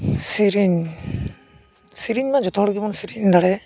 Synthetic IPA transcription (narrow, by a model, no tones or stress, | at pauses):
siɾiɲ | siɾiɲmad͡ʒɔt̪ʰɔɽɔɡibɔnsiɾiɲd̪aɽɛ